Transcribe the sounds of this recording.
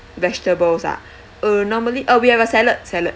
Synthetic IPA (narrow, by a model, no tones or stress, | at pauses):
vɛstəbɔlsa̰ʔ | ənɔməliʔəwihɛvəsɛlət̚sɛlət̚